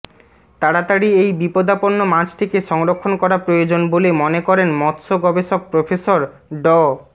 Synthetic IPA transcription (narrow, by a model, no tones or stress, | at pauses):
t̪aɽat̪aɽiejbipod̪aponːomãd͡ʑʈʰikeʃɔŋɾokʰːonkɔɾapɾojod͡ʑonbolemonekɔɾenmɔt̪ʃoɡɔbeʃok̚pɾofesoɾ | ɖɔ